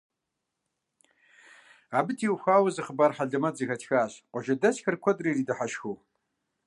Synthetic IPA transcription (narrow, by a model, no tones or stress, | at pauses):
aːbɨtʰiːwxʷaːwɐzɨχəbaːrħaɮɨmɐd͡zɨxɐtʰxaːɕqʷɔʒɐdɐɕxɐrkʷʰɔdriːridɨħaʃxuw